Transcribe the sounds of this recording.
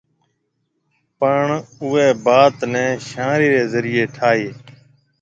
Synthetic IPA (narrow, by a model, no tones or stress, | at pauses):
pəɳʊːeːbaːt̪nɛ̃ːʃãːɾiːɾeːzəɾɪːeːʈʰaːeː